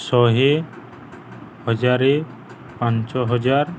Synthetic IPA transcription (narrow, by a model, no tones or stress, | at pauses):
sɔɦe | hɔd͡ʒaɾe | pãnt͡ʃɔɦɔd͡ʒaɾ